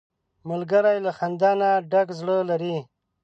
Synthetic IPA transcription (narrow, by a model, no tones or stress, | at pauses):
malɡəɾajlaxand̪aːnaɖakzɽəlaɾi